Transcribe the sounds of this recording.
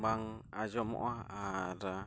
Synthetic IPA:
baŋad͡ʒɔmɔ̰ʔaaɾa

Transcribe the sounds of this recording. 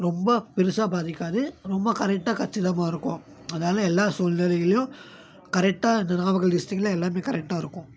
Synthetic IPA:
ɾɔmbɐpɪɾɯsaːbaːðɪkʲːaːðɯɾɔmbɐkɐɾɛk̚ʈːaːkɐʈt͡ʃːɪðɐmaːɪɾɯkːʊ̃ | ɐðɐnaːlɐɛlːaːsoːlnɪlɐjɪlɐjʊ̃ | kɐɾɛk̚ʈːaːɪnd̪ɐnaːʋɐɣɐɭɖɪsʈɪkːlɐɛlːaːmeːkɐɾɛk̚ʈaːɪɾɯkːʊ̃

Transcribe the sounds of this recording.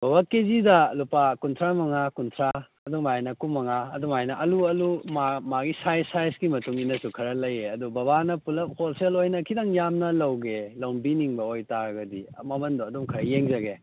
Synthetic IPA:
b̥ɐbakezidɐlupakuntʰɾamɐŋakuntʰɾa | ɐdumajnɐkumːɐŋaɐdumajnɐʔɐluɐlumamaɡisajsajsɡimɐtuŋinɐsukʰɐɾɐlɐjeɐdubɐbanɐpulɐmholselojnɐkʰidɐŋjamnɐlɐwɡelɐwnbiniŋbɐojtaɾɐɡɐdḭmɐmɐndoɐdumkʰɐɾɐjeŋzɐɡe

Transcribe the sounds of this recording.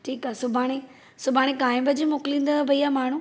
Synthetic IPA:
ʈʰiːkaːsʊbʱaːɽ̃e | sʊbʱaːɽ̃ẽkaːɪ̃mbəd͡ʑemʊklĩːnd̪əʋɐiaːmaːɳ̤ũ

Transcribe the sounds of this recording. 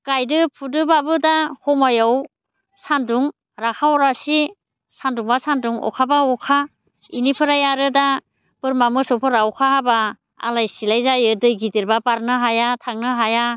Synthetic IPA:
kajdɯpʰudɯbabɯdahɔmajaw | sanduŋ | ɾakʰawɔɾasi | sanduŋbasanduŋɔ̰kʰabaɔkʰa | inipʰɯɾajaɾɯda | pɯɾmamɯsɔpʰɯɾawkʰaɦaba | a̰lajsilajzajɯdɯjɡidiɾbapaɾnɯɦajatʰaŋnɯɦaja

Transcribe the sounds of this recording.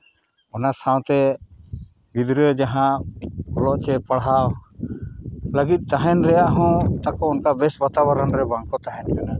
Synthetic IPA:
ɔnasaw̃t̪ɛ | ɡid̪ɾəd͡ʒaɦãkɔlɔʔt͡ʃɛpəɽɦaw | ləɡit̪̚ˀt̪aɦɛnɾɛjaʔɦɔ̃t̪akɔɔnkabɛsbat̪abaɾanɾɛbaŋkɔt̪aɦɛnkana

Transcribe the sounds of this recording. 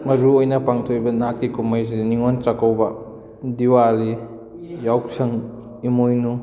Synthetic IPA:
mɐɾuojnɐpaŋtʰojbɐnakːikumajziniŋontakawbɐ | diwali | jawksɐŋ | imojnu

